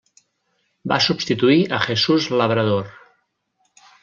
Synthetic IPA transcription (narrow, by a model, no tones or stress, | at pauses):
ba̰subst̪it̪uiʔəʒesuzləβ̞ɾəð̞or